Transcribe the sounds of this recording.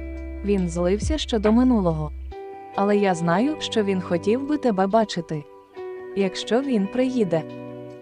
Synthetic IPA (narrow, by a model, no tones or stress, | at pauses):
ʋʲinzlˠɪwsʲɐʃt͡ʃɔd̪ɔmɪnulˠɔɦɔ | ɐlˠɛjaznɑjʊʃt͡ʃɔʋʲinxɔtʲiwbɪt̪ɛbɛbɑt͡ʃɪt̪ɪ | jɐkʃt͡ʃɔʋʲinpɾɪjid̪ɛ